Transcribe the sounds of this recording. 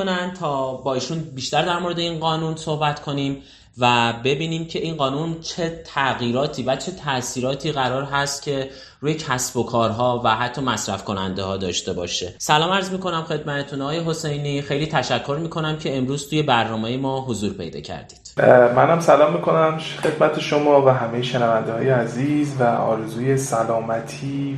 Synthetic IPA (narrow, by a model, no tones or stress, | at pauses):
nænt̪ʰɒːbɒːiːʃunbiʃt̪æɾd̪æɾmo̞ɾe̞d̪e̞iːnɢɒːnunso̞hbæt̪kʰo̞nim | væbe̞biːniːmcʰe̞ʔinɢɒːnunt͡ʃʰe̞t̪ʰæɣiːɾɒːt̪ʰiːvæt͡ʃʰe̞t̪ʰæsiːɾɒːt̪ʰiːɣæɾɒːɾɦæst̪̚cʲʰe̞ | ruːjecʰæsb̥o̞kʰɒːɾɦɒːvæɦæt̪ʰːɒːmæsɾæfkʰo̞næ̰nd̪e̞hɒːd̪ɒ̰ːʃt̪e̞bɒ̰ːʃesælɒːmæɾzmiːko̞næmxe̞d̪mæt̪ʰet̪ʰunɒɣɒːjeɦo̞se̞jniːxe̞jliːt̪ʰæʃækʰːo̞ɾmiːkʰo̞næmcʰe̞ːmɾuːz̥t̪uːje̞bæɾnɒːmejemɒːɦo̞zuːɾpʰe̞jd̪ɒ̰ːcʰæ̰ɾd̪iːd̪̥mænhæmsælɒːmːikʰo̞næmʃxe̞d̪mæt̪ʰeʃomɒːvæɦæmejeʃenævænd̪ehɒːjeæziːzvæɒ̰ːɾezuːje̞sælɒːmæt̪ʰiː